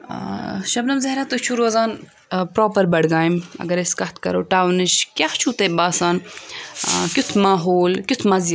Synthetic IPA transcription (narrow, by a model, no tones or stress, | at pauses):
ʃɐbnɐmzɐɦɾɐt̪ot͡ʃʰuɾoːzaːn | pɾoːpɐɾbɐɽɡaːjimɐ̰ɡɐɾeskɐt̪kɐ̰ɾoːʈaːwnɨʃkjaxt͡ʃʰuːt̪ebaːsaːn | kut̪ʰmaːɦoːlkʲit̪ʰmɐz